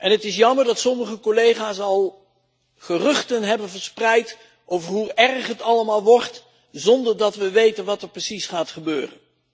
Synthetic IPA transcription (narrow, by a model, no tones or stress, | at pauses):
ʔɛnɦətɪsjɑməɹdɑtsɔməχəkɔlejχaːsɑlˠ | χərɵχtənɦɛbənvəɹsprɛjt | ʔowvəɹɦuɛɹχɦətɑləmaːlˠʋɔɹt | zɔndəɹdɑtʋəʋejtənʋɑtɛɹprəsisχaːtχəbøːrə̰n